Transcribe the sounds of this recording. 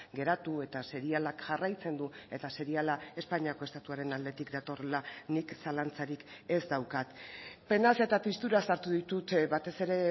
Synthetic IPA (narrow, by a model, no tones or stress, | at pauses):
ɡe̞ɾat̪ue̞t̪ase̞ɾialakʝarajt͡se̞nd̪ue̞t̪ase̞ɾialae̞spaɲiako̞e̞st̪at̪uaɾe̞nald̪e̞t̪ikd̪at̪o̞relaniksalant͡saɾike̞zd̪awkat̪pe̞nasiaet̪apist̪uɾasaɾt̪uðit̪ut̪βat̪e̞se̞ɾe̞